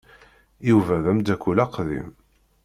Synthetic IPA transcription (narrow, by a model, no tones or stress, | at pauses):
juvæðæmd̪ækʷːulæqðḭm